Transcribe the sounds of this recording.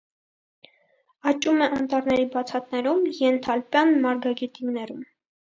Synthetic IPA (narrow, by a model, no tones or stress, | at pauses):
ɑt͡ʃʼumɛʔɑnt̪ɑɾnɛɾibɑt͡sʰɑt̪nɛɾumjɛnt̪ʰɑlpjɑnmɑɾɡɑɡit̪imnɛɾum